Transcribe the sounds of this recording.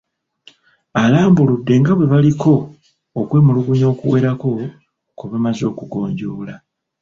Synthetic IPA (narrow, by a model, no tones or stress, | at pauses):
alaːmbuludːe̞ŋɡaβwe̞βalikʰo̞ː | kwe̞ːmuluɡuɲo̞ːkuwe̞ːɾako̞ | koβemazo̞ːkuɡo̞̰ːɲɟoːla